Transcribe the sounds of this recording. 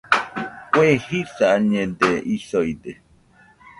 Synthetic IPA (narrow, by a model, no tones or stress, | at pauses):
kʷehisaɲẽd̪eisojd̪e